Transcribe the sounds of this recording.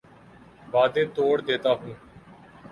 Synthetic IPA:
ʋaːd̪eːt̪oːɽd̪eːt̪aːɦũː

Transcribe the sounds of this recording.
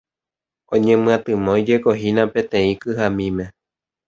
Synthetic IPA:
õɲẽmɨ̃ãt̪ɨmõid͡ʒekoɦinãpẽt̪ẽĩkɨɦamĩmẽ

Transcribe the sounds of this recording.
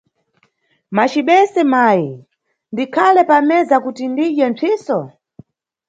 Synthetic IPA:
mat͡ʃiɓɛsɛmaji | ndikʰalɛpamɛzakutindiʄɛnt͡sʰiːsɔ

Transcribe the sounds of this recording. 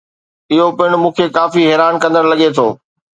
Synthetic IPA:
ɪɦopɪɽ̃mũːkʰekaːfiɦɛːɾaːnkɐ̃nd̪əɽ̃lɐɠet̪ʰoː

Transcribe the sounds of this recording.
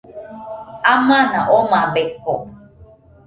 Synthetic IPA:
amanaʔomabeko

